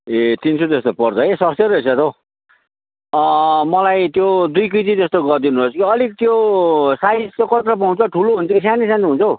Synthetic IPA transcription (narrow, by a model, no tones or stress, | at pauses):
et̪insʰot̪est̪opʌrt͡sʰʌesʌst̪ʌɾesat̪ʰo | mʌlajt̪jod̪ujk̬it̪it̪est̪oɡʌrd̪inubʌt͡sʌkiʌlik̚t̪josajskokʌt̪rʌp̬aw̃t͡sʰʌʈʰuloɦunt͡sʰʌkisanisãnt̪iɦunt͡sʰʌw